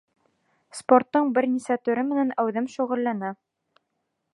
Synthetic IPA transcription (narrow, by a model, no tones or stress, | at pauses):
sport̪ːɤɴbɘɾnisæt̪ɵ̆ɾɘmɘ̆nænæwðɘmʃuʁɘ̆lːænæ